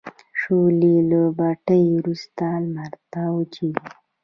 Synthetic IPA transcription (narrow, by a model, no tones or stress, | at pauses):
ʂolilobaʈəjɾust̪almaɾt̪awt͡ʃi